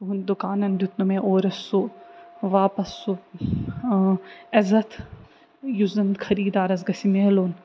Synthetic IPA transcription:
t̪uund̪ukaːnɐnd̪ut̪numẽʔoːɾɐsːuʋaːpɐsu | ɐzɐt̪ʰ | juzɐnd̪kʰɐɾiːd̪aːɾɐzɡɐsimeːloːn

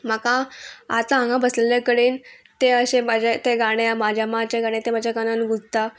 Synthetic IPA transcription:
məkãat̪aãŋɡãbəsleljakəɽiːnt̪eəɕemad͡ʑʱet̪eɡaɽ̃eamad͡ʑʱjamat͡ɕeɡaɽ̃et̪emad͡ʑʱjaɡananɡud͡zt̪a

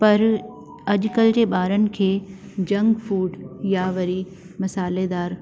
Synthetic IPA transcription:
pɐɾ | ɐʄkəld͡ʑeːɓaːɾənɪ̆kʰeː | d͡ʑɐ̃ŋɡfuːɖjaʋɐɾi | mɐsaːled̪aːɾ

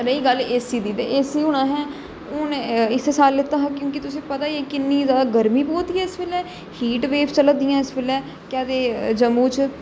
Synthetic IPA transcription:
ɾəiːɡəleːsiːd̪id̪eeːsiːʊnãːɦɛː | ʊnɪsesaːlːɪt̪ːãːɦãːkjõːk̬ɪt̪ʊsĩːpət̪aːeːkɪnːiːzaːd̪aːɡəɾmiːboːt̪iɦɛːɪsbeːlɛː | hiːʈʋeːpt͡ʃələd̪ɪjãːɪsbɪlɛː | kjɛːd̪eːd͡ʒəmuːt͡ʃ

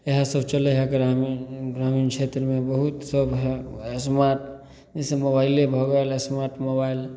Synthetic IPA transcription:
eɦasəbʱt͡ʃəlɛɦɛɡɾamiɡɾaminkʰet̪ɾəmebəɦut̪səbɦɛsmaɾʈ | isemobailebʱɔɡəlesmaɾʈmobail

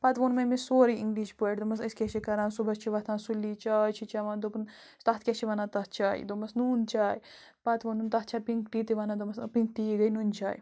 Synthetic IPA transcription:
pat̪ʋoːnmɐmisoːɾiiŋɡliːʃpoʈd̪omɐsɐskʲet͡ʃʰikɐɾãːnsubɐst͡ʃʰiʋɐt̪ʰãːnsulːiːt͡ʃaːjt͡ʃʰit͡ʃaʋãːnd̪opn | st̪at̪̚ʰkʲet͡ʃʰiʋanãːt̪ɐt̪t͡ʃaːḭd̪omɐsnuːnt͡ʃaːji | pat̪ʋonunt̪ɐɦt͡ʃʰaːpiŋkʈiːt̪iʋanãd̪omɐspĩŋk̚ʈ̪iːɡɐjnunt͡ʃa̰ːj

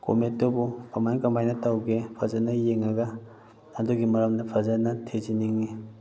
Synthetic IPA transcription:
ko̰metːobukʰamankɐmajnɐtawɡepʰɐzanɐjeŋɐɡɐ | naduɡimɐɾɐmnɐpʰɐzanɐtʰeziniŋni

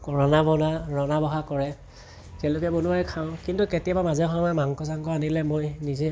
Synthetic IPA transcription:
kɔɹɔnabɔnaɹɔnabɔɦakɔɹɛ | kʰɛlʊkɛbonuajkʰaʊ̃kintuketijabamazɛxɔmajmaŋkɔsaŋkɔanilɛmojnizɛ

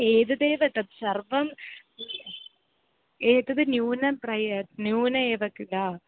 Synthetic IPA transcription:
eːðɐðeːʋɐt̪ːɐbsɐrʋɐm | eːt̪ːɐðɨnjuːnɐprɐjɐnjuːnɐeːʋɐkːila

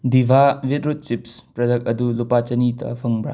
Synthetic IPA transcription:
dibʱabitɾut̚t͡ʃip̚spɾɐdɐk̚ɐdulupat͡ʃɐnitʰɐ̰pʰɐŋbɾa̰

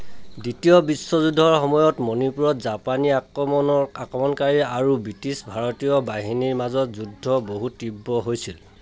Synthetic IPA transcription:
ditijɔbisːɔzudʱɔɹxɔmɔjɔtmonipuɹɔtzapaniakɹɔmɔnɔakɹɔmɔnkaɹiaɹubitisbʱaɹɔtijɔbaɦiniɹmazɔtzudʱɔboɦutːibːɔɦojsil

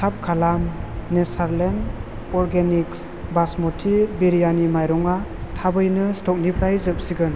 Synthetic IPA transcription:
tʰap̚kʰalamnesaɾlen | ɔɾɡeniks | basmɔtʰibiɾijanimajɾɔŋatʰabɯjnɯstɔk̚nipʰɾajzɯp̚siɡɯn

